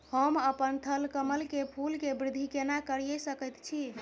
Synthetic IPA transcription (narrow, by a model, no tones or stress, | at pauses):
həməpənt̪ʰəlkəməlkepʰulkebɾɪd̪ʱːikenakəɾjəsəkəjt̪t͡ʃʰi